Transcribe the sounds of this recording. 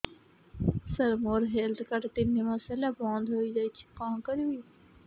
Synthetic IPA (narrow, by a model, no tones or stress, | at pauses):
səɾmoːɾɦeːlt̪kəʈt̪ɪnːẽmasɛlaːbãːnd̪ɦoːid͡ʒaːit͡ʃʰi̥kãːkəɾuiː